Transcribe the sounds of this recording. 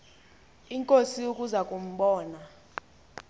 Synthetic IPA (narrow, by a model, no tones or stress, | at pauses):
iŋkʼosiukʼuzakʼum̩ɓɔːna